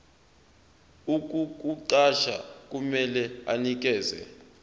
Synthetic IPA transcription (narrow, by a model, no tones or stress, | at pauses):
uk̬ʼuk̬ʼuǃaʃa̰k̬ʼumɛlɛa̰nik̬ɛːzɛ̰